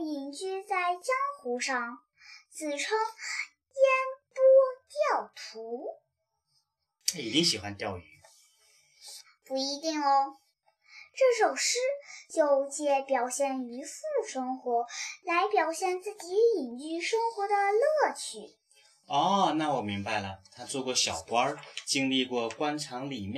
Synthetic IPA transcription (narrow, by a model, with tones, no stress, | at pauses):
i˨˩nt͡ɕy˥˧t͡sa˥˧ɪt͡ɕjɑ˥ŋxu˧˥ʂɑ˥˧ŋ | t͡sɹ̩˨˩ʈ͡ʂʰɤ˥ŋ | jɛ˥npɔ˥t̪jɑ˥˩ʊt̪ʰu˧˥˧ | i˨˩t͡ɕi˥ŋɕi˨˩xwa̰˧˦nt̪jɑ˥˩ʊy˧˥˦ | pu˧˥i˧˥t̪i˥˩ŋlə˧˩ | ʈ͡ʂɤ˥˩ʂo˨˩ʊʂɻ̩˥t͡ɕjo˥˧ʊt͡ɕjɛ˥˩pjɑ˨˩ʊɕjɛ˥˩ny˧˥fu˥˩ʂɤ˥ŋxwɔ˧˥la˧˥ɪpjɑ˨˩ʊɕjɛ˥˧nt͡sɹ̩˥˩t͡ɕi˧˥i˨˩ŋy˥˩ʂɤ˥ŋxwɔ˧˥d̪ə˧lɤ˥˩t͡ɕʰy˨˩˦ | ɔ˥˩na˥˩wɔ˨˩mi˧˥ŋba˧ɪlə˩t̪ʰa˥t͡swɔ˥˧kwɔ˥˩ɕjɑ˨˩ʊkwɑ˥t͡ɕi˥ŋli˥˧kwɔ˥˩kwa˥nʈ͡ʂʰɑ˧˥ŋli˨˩mjɛ˥